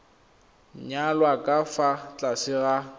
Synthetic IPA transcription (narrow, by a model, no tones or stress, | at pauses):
ɲalwakʼafat͡ɬʼasɪɣa